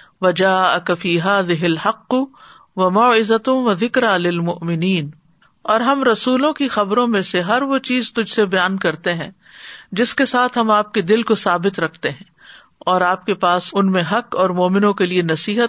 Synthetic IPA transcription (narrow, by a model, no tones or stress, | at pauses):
ʋɐd͡ʒaːɐkfiːɦaːðɪɦɪlhɐqːʊ | ʋɐmaːɪzɐt̪ʋɐðɪkɾaːlɪlmʊʔmɪniːn | ɔːɾɦɐmɾɐsuːlõkixɐbɾõmẽseɦɐɾʋot͡ʃiːzt̪ʊd͡ʒʱsebɐjaːnkɐɾt̪eɦɛ̃ː | d͡ʒɪskesaːt̪ʰɦɐmaːp̚ked̪ɪlkosaːbɪt̪ɾɐkʰt̪eɦɛ̃ː | ɔːɾaːp̚kepaːsʊnmẽɦɐqɔːɾmoːmɪnõkelienɐsiːɦət̪